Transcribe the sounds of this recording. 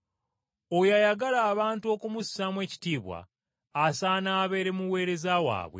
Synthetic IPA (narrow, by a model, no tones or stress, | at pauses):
ojajaɡalaːβaːntuo̞ːkumussamwe̞ːci̥tiːβwa̰ː | saːnaːβe̞ːɾe̞muwe̞ːɾe̞zawa̰ːβwe̞̰